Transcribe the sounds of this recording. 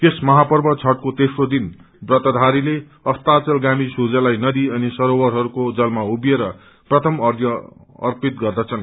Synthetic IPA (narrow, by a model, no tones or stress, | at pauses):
k̪esmʌɦapʌrbʌt͡sʰʌʈ̚kot̪esrod̪in | brʌt̪ʌd̪ʱaɾile | ʌst̪at͡sʌlɡamisud͡zʌlajnʌd̪iʌnisʌɾowʌɾɦʌɾukod͡zʌlmaubjeɾʌ | prʌt̪ʰʌmʌrd̪ʱjʌʌ̰rpit̪̚ɡʌrd̪ʌt͡sʰʌn